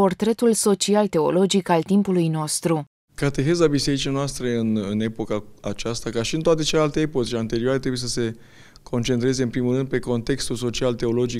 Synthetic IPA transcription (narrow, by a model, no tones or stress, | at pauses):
po̞rt̪ɾe̞t̪ulso̞t͡ʃialt̪e̞o̞̰lo̞d͡ʒikalt̪impulujno̞st̪ɾu | kat̪e̞xe̞zabise̞ɾit͡ʃianoast̪ɾe̞ɨnɨne̞po̞kaat͡ʃast̪akaʃiɨnt̪oat̪e̞t͡ʃelealt̪e̞epot̪eant̪e̞ɾiuoaɾet̪ɾebujesəse̞ | kʰo̞nt͡ʃe̞nt̪ɾe̞ze̞ɨnpɾimulɾɨnd̪̚pe̞ko̞nt̪e̞kst̪ulso̞t͡ʃialt̪e̞o̞lo̞d͡ʒik